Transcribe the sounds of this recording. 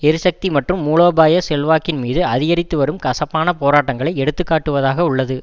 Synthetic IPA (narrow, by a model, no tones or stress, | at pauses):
ɛɾɯsɐk̚t̪imɐʈrɯmːuːɭoːbaːjɐsɛlʋaːkɪnmiːðɯɐðɪɣɐɾɪt̪ːɯʋɐɾɯmkɐsɐpːaːnɐpoːɾaːʈːɐŋɡɐɭɐɪɛɽɯt̪ːɯkːaːʈːɯʋɐðaːɣɐʊɭːɐðɯ